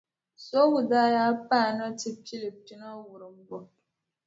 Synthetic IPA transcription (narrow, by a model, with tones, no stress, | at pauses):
so˦wu˨da˦ja˦pa˦˨nɔ˦ti˦pi˦li˨ti˦na˦wu˨ɾɨ˨m̩˦bɔ˨